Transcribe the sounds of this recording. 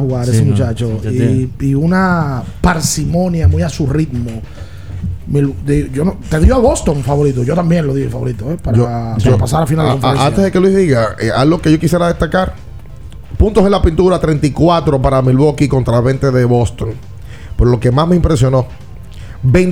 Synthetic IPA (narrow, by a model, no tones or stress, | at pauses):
huɣaɾesemut͡ʃat͡ʃoiiunapaɾsimõ̞njamujasurid̪mo | mild̪eʝonot̪eðioaβo̞st̪o̞ŋfaβo̞ɾit̪oʝo̞t̪ambjenloðiefaβo̞ɾit̪oepaɾaosopas̬aɾafinalkomeɾesaneðekelwiðiɣaealɡo̞keʝokisjeɾaðe̞st̪akaɾ | punt̪oselapint̪uɾat̪ɾent̪ikwat̪ɾo̞paɾamilβokikont̪ɾaβe̞nt̪eðeβo̞st̪oŋ | peɾolo̞ke̞masmeimpɾesjo̞no̞ | ben